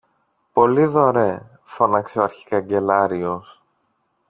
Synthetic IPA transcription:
po̞liðo̞ɾe̞ | fo̞nɐkseoɐɾçi̥kɐɲɟe̞lɐɾio̞s

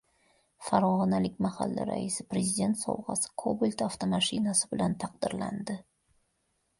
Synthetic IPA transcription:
faɾɒʁɒnalɪkʲmaha̰lːa̰ɾa̰isɪpɾezid̪e̞nt̪sɒ̰wʁɑ̰sɪ̥kʰobɪlʲt̪aft̪ʰomaʃɪnasɪbɪlant̪ʰɑqd̪ɪɾla̰nd̪ɪ

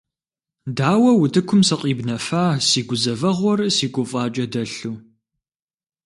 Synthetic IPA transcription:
daːwɐwʊtʰɨkʷʰʊmsɐqʼiːbnɐfaːsiːɡʷʊzɐvɐʁʷɔrɨsiːɡʷʼʊfʼaːt͡ʃʼɐdɐɬuː

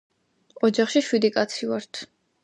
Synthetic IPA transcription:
ɔd͡ʒaχʃiʃwid̪ikʼat̪sʰivaɾt̪ʰ

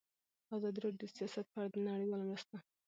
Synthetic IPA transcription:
azɑd̪iɾɑɖjosijɑsat̪̚paɽad̪ənaɽəjwɑlamɾast̪a

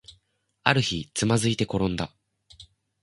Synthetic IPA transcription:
aɾɯ̟çit͡sɨmazɨit̪e̞ko̞ɾõ̞nd̪a

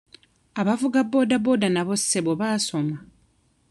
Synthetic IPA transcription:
aβavuɡabːo̞ːdabo̞ːdanaβo̞sːe̞βoβaso̞ma

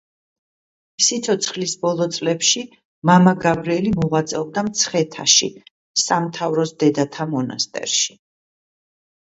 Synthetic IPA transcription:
sit̪sʰɔt̪sʰχlisbɔlˠɔt̪sʼlɛpʃi | mamaɡavɾɛlimɔʁat̪sʼɛvd̪amt̪sʰχɛt̪ʰa̰ʃḭ | samt̪ʰavɾɔsd̪ɛd̪at̪ʰamɔna̰st̪ʼɛ̰ɾʃi̥

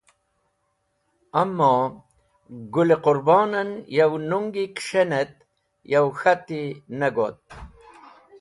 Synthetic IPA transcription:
amːɔː | ɡuleqʊɾbɑːnɐnjawnuŋɡikʂenet̪̚ | jawxat̪inɐɡot̪̚

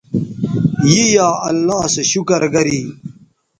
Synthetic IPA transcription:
jiːjaːɐ̰lːaːseɕukɐɾɡɐɾiː

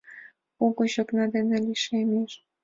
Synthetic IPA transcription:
oɣoɕoknɑd̪ĕnĕlʲiʃemʲeʃ

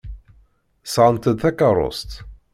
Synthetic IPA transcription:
sʕənt̪əd̪θækɑɾˤo̰st̪

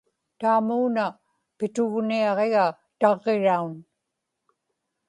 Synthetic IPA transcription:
t̪aːmuːna | pɪt̪ʊɣniɑʁe̞ɣa | t̪ɑʁːeɻaun

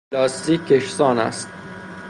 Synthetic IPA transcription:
lɒːst̪iːkʲʰːeʃsɒːnæ̰st̪̚

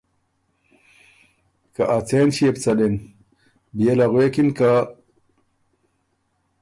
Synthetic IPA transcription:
kaʔat͡senɕiept͡saden | bijelaɣwekinka

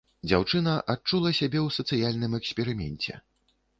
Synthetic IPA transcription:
d͡zʲawt͡ʂɨnɐʔat͡ʂulˠɐsʲabʲɛwsɐt̪sɨjalʲnɨmɛksʲpʲɛɾɨmʲɛ̰nʲt͡sʲɛ̰

